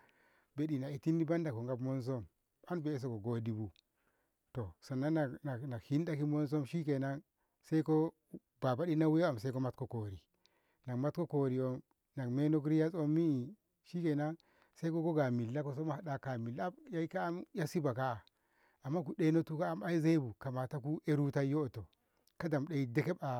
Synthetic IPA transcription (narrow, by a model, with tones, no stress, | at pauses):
be˨ɗi˨na˨i˨ti˦ndi˦ba˦nda˨ko˨ŋɡa˦bmo˦ns̬o˦m | a˦nbe˨˦s̬o˨ko˨ɡo˦di˦bu˦ | to˨sa˨nːa˦na˨na˨na˨khi˦nda˦ki˦mo˦ns̬o˦mʃi˦ke˨na˦ŋ | se˦i˦ko˦ | ba˨ba˦ɗi˦na˦we˦a˨mse˦ko˦ma˦tko˦ko˨ɾi˨ | na˨kma˦tko˦ko˨ɾi˨o˦m | na˨kme˦no˦k̬ɾi˦ja˦so˦mːi˦i˨ | ʃi˦ke˨na˦ŋ | se˦i˦ko˦ko˦ɡa˨mi˨lːa˦ko˦s̬o˦m˦ha˨da˦ka˨mi˨la˦ja˦i˦ka˦a˦mja˦si˦ba˨ka˦a˨ | a˨mːa˦ku˨ɗe˦no˦tu˦ka˦a˦ma˦i˦ze˦i˦bu˨ka˨ma˨ta˦ku˦ʔe˦ɾu˦ta˦jo˦˨to˨ | ka˦da˨mɗe˨i˦de˦ke˦ba˨